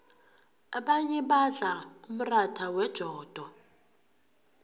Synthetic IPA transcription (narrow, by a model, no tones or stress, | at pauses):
aɓaɲɛɓaɮaum̩ratʰawɛd̥ʒ̥ʱɔːd̥ʱɔ